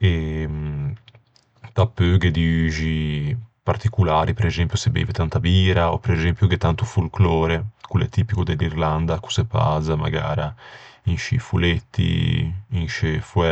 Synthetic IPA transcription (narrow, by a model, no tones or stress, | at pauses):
e | t̪apːøɡed̪iyʒipart̪ikulaːɾʔipeɾezɛmpjusebḭːvet̪ant̪abiːɾaɔpeɾezɛmpjuɡet̪ːant̪ufulkloːɾekulɛ̰t̪ːiːpikod̪elːirland̪aku̥sepa̰ːzama̰ɡa̰ːɾainʃḭfulet̪ːḭːnʃefɛ